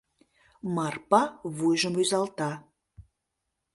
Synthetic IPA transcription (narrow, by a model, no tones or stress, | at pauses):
mɑrpɑβujʒəmyzɑlt̪ɑ